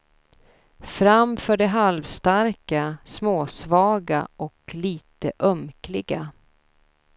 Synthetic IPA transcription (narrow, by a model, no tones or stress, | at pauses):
fɾamfœːɖɛɦalvst̪aɾkasmoːsvɑːɡa̰ʔɔkliːt̪əʔœmklɪɡa